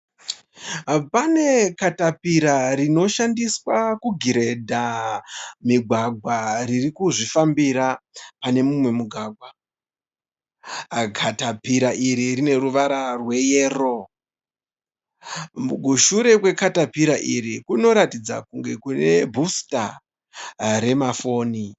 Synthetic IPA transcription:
pane̞katapiɾaɾino̞ʃandiswakuɡʱiɾe̞dʱa | miɡʱwaɡʱwaririkuʐifambiɾapane̞mumwe̞muɡʱwaːɡʱwa | ɡʱatapiɾaʔiɾirine̞ɾuʋaɾarwe̞jeːro̞ | muɡʱuʃuɾe̞kwe̞katapiɾaʔiɾikuno̞ɾatid͡za̰kuŋɡe̞kune̞bʱusta̰ | ɾe̞mafo̞ːni

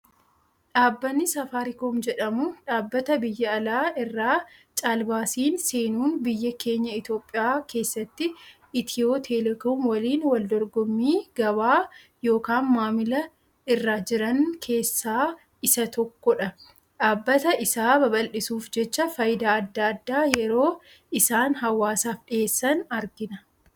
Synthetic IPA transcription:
ᶑaːbːɐnːɪsɐfaːɾɪkoːmd͡ʒɛᶑɐmʊᶑaːbːɐt̪ɐbɪjːɐːlaːɪrːaːt͡ʃʼaːlbaːsiːnse̞ːnuːnbɪjːɐkʰe̞ːɲːɐɪt̪jo̞ːpʼːɪjaːkʰe̞ːsːɐt̪ːɪ | ɪt̪ʰɪoːt̪ʰelɛkoːmwɐliːnwɐld̪ɔɾɡɔmːiːɡ̥ɐβaː | jo̞ːkaːnmaːmɪlɐ | ɪrːaːd͡ʒɪɾɐnkʰe̞ːsːaː | ɪsɐt̪ɔkːɔᶑɐ | ᶑaːbːɐt̪ɐʔɪsaːbɐbɐlʔɪsuːfd͡ʒɛt͡ʃːɐfɐjɪd̪aɐd̪ːɐɐd̪ːaːjɛɾo̞ː | ɪsaːnɦɐwːaːsaːfɗɪeːsːɐnɐɾɡɪnɐ

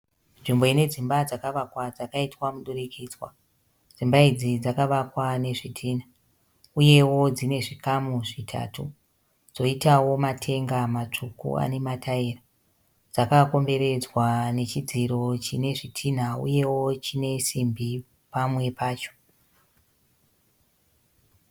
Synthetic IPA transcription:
nʐimbo̞ine̞d͡zimbad͡zakaʋakwad͡zakaitwamuɗurikʰiːd͡zwa̰ | d͡zimbaid͡zid͡zakaʋakwane̞ʐitʰiːn̤a | uje̞wo̞d͡zine̞ʐikamuʐitʰa̰ːtu | d͡zo̞itawo̞matʰe̞ŋɡamat͡ʂukṵa̰ne̞matʰaera | d͡zakako̞mbe̞ɾe̞d͡zwane̞t͡ʃid͡ziɾo̞t͡ʃine̞ʐitʰin̤aṵje̞wo̞t͡ʃine̞simbi | pamwe̞paːt͡ʃo̞̥

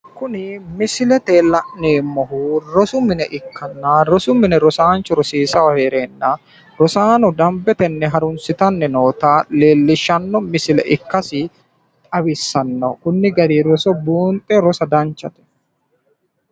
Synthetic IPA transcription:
kʊnɪmɪsɪlɛt̪eːlɐʔneːmːɔɦuɾɔsʊmɪnɛʔɪkːɐnːaɾɔsʊmɪnɛɾɔsaːnt͡ʃːɔɾɔsiːsɐwɐheːɾeːnːɐ | ɾɔsaːnɔd̪ɐmbɛt̪ɛnːɛɦɐɾʊnsɪt̪ɐnːɛnoːt̪aːleːlːɪʃːɐnːɔmɪsɪlɛ̰ʔɪkːɐsɪ | t̪ʼɐwɪsːɐnːɐ̰kʊnːɪɡɐd̪iɾɔsɔbuːnt̪ʼːɛɾɔsɐd̪ɐnt͡ʃːɐt̪ɛ̥

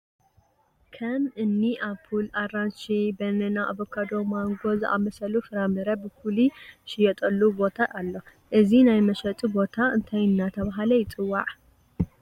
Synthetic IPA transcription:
kʰɐmɨnːiʔaβfʰularanʃibɐnɐnaʔːβokʰad̪o̞maŋɡo̞zɨʔa̰mɐsɐlufɨɾamɨɾɐbɨkʰuliʃɪjɛt̪ʼɐlːubo̞t̪ʰaʔalːo̞ | ʔɨzinajmɐʃɐt̪ʼibo̞t̪ʰaɨnt̪ʰajɨnːat̪ʰɐβaɦalɐjɪt͡sʼɨwːaʕ

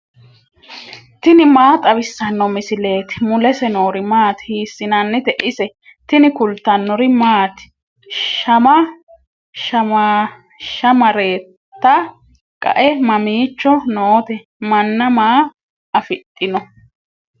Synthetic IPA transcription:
t̪ɪnɪmaːt̪ʼɐbɪsːɐnːɔmɪsɪleːt̪ɪ̥mʊlɛsɛnoːɾɪmaːt̪hiːsːɪnɐnːɪt̪ɛʔɪsɛ | t̪ɪnɪkʊlt̪ːɐnːɔɾɪmaːt̪ɪ̥ | ʃɐmɐ | ʃɐmɐ | ʃɐmɐɾe̞ːtt̪ːɐ | kʼɐ̰ʔɛmɐmiːt͡ʃːɔnoːt̪ɛ | mɐnːɐmaː | ʔɐfɪt̪ʼːɪnɔ

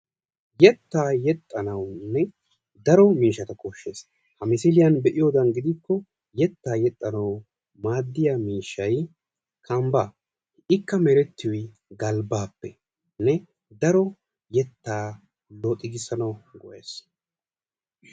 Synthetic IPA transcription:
jɛt̪ːaːjɛt̪ʼːɐnɐwnːɛ | d̪ɐɾɔmiːʃːɐt̪ɐkɔʃːe̞ːs | hɐmɪsɪlɪjɐnbɛʔɪjoːd̪ɐnɡɪd̪ɪkːɔ | jɛt̪ːaːjɛt̪ʼːɐnɐw | maːd̪ːɪjamiːʃːɐj | kʰɐmba | ɪkːɐmɛɾɛt̪ːɪjɔj | ɡɐlbaːpːɛ | nɛ | d̪ɐɾɔ | jɛt̪ːaː | lot̪ʼːɪɡɪsːɐnɐwɡɔʔeːs

